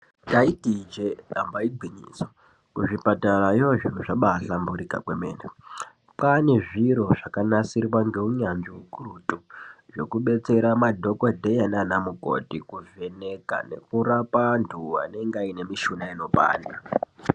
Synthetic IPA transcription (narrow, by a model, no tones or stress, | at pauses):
daitid͡ʒeɗambaiɡʱiɲḭːso | kuʐipataraioʐinuʐaɓaɬambuɾika̰kwemḛːne | pane̞ʐiɾo̞ʐakanasirwaŋɡe̞uɲanʐiukurutuʐo̞kuɓe̞t͡se̞ɾamadʱo̞kodʱejananamuko̞̰tikuve̞ne̞ka̰ne̞̰kurapandua̰ne̞ŋɡaine̞miʃunaino̞pa̰ːnda